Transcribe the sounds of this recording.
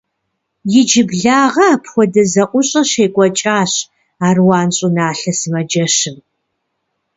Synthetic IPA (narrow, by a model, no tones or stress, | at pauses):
jɪd͡ʒɪbɮaːʁɐpʰxʷɔdɐzɐʔʷʊɕʼɐɕeːkʷʼɔt͡ʃʼaːɕ | aːrwɑːnɕʼʊnaːɬɐsɨmɐd͡ʒɐʃɨm